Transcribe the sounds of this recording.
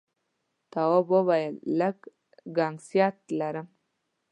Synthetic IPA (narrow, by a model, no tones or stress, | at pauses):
t̪awobobajləɡ | ɡaŋsjɑt̪̚laɾəm